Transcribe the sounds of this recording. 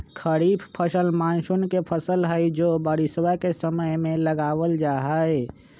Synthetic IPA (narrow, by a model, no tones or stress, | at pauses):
kʰəɾiːbʰpʰəsəlmãːnʃʊnkepʰəsəlɦəid͡ʒoːbəɾɪswakesəməjmẽləɡaːwəld͡ʒaːɦae